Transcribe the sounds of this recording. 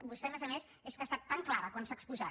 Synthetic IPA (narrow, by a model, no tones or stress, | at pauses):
bust̪ɛmezəmes | eskəst̪at̪ːaŋklaɾəkwansakspuza